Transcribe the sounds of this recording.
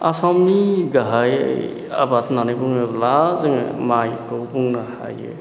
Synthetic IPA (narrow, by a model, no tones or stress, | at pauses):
asamiɡaɦaj̰ | a̰bat̪nanipuŋeblazŋmajkowpuŋnaha̰jḛ